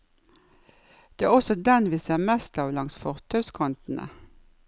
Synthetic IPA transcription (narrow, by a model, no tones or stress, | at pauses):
d̪̥eːæːʁɔsɔd̪ɛnʋiːseːʁmɛst̪ɑːʋlɑŋsfɔʁt̪ʰœʉskʰɔnt̪n̩ə̰